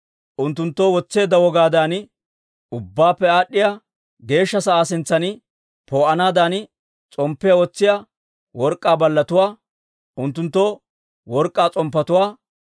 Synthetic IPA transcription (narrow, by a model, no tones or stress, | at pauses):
ʔʊnt̪ːʊnt̪ːoːwɔt͡sːeːd̪ːɐwɔɡaːd̪aːn | ʊbːaːpːɛaːɗːɪja | ɡe̞ːʃːɐsɐaːsɪnt͡sːɐnɪ | poːʔɐnaːd̪aːn | t͡sʼɔmpːɪjɐwɔt͡sːɪja | wɔɾkʼːaːbɐlːɐt̪ʊwaː | ʔʊnt̪ːʊnt̪ːoː | wɔɾkʼːaːt͡sʼɔmpːɐt̪ʊwaː